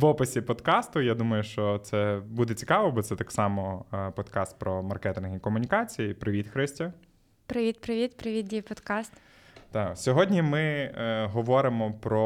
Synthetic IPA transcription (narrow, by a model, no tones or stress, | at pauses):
ʋɔpɪsʲipɔd̪kɑst̪ʊjad̪umɐjʊʃt͡ʃɔt̪sɛbud̪ɛt͡sʲi̥kɑʋɔbɔt̪sɛt̪ɑksɑmɔpɔd̪kɑst̪̚pɾɔmɐrkɛt̪ɪnɦikɔmʊnʲikɑt͡sʲijipɾɪʋʲit̪xɾɪsʲtʲɐ | pɾɪʋʲit̪pɾɪʋʲit̪pɾɪʋʲid̪̚dʲijpɔd̪kɑst̪ | t̪ɑsʲɔɦɔdʲnʲimɪɦɔʋɔɾɪmɔpɾɔ